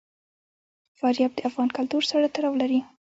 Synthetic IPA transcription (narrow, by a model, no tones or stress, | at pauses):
fɑɾjɑb̚d̪əafɣɑnkalt̪uɾsaɽat̪aɾɑwlaɾi